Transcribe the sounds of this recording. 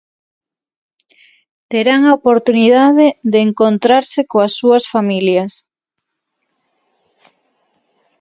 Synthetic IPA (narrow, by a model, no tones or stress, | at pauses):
t̪eɾaŋaopoɾt̪uniðaðeðeːŋkont̪ɾaɾsekoasːuɐsfamiljas